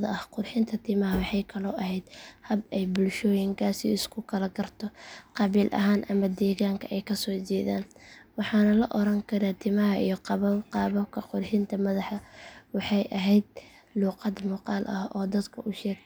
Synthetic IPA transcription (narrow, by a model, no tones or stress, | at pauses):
ðɐʔɐhqʊrħɪnt̪ʰɐt̪ʰimɐɦɐwɑħɑjkʰɐlɔːʔɐɦɛjd̪hɐbɛjbʊlʃɔːjɪŋkʰaːsḭɪskʰʊkʰɐlɐɡɐrt̪ʰɔqɑβiːlʔɐ̰ɦaːnʔɐmɐd̪ɛːɣaːŋkʰɐʔɛjkʰɐsɔːt͡ʃɛːða̰ːnwɑħɑːnɐlɐʔɔɾɐŋkʰɐɾaːt̪ʰɪmɐɦɐʔḭjɔqɑβɐqɑːβɐkʰɐqʊrħɪnt̪ʰɐmɐðɑħɐwɑħɑjʔɐɦɛjd̪ | luːqɑd̪muːqɑːlʔɐhɔːd̪ɐd̪kʰɐʔʊʃɛːɡ